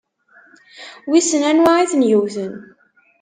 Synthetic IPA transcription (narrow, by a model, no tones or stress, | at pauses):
wisənænwaʕiθənjuθən